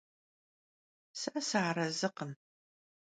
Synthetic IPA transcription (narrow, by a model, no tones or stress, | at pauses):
sɐsaaɾɐzɨqən